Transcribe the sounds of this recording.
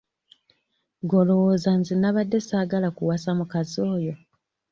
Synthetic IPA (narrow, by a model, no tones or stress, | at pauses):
ɡolowozanzinaβadːe̞saːɡalakuwasamukazo̞ːjo̞